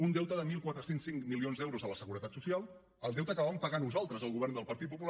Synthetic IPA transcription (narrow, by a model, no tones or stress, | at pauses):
und̪ɛwt̪əðəmilˠkwat̪ɾəsensːiŋkmilionzd̪ɛwɾuzələsəɣuɾət̪at̪susialˠ | əlˠd̪ɛwt̪əkəβaβəmpəɣanːuzalˠt̪ɾəzəlˠɣuβ̞ɛɾnd̪əlˠpəɾt̪it̪̚pupul